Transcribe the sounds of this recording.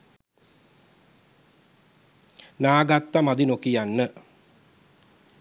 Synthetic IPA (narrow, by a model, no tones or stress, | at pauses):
naːɡat̪ːamad̪inokijanːə